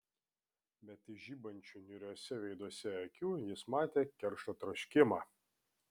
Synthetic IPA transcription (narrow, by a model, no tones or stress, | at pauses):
bʲɛt̪ɪʒʲiːbɐnʲt͡ʃʲunʲʊɾʲuːsʲɛʋʲɛɪd̪uɔsʲɛɐkʲuːjɪsmɑːt̪ʲeːkʲɛɾʃoːt̪ɾɐʃʲkʲɪmɑː